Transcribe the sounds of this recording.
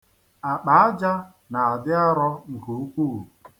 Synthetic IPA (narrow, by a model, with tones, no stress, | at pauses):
a˨k͡pa˨a˦d͡ʒa˦ | na˨a˨dɪ˦a˦ɾɔ˦ŋ̩˨ku˨u˦kʷuː˦˨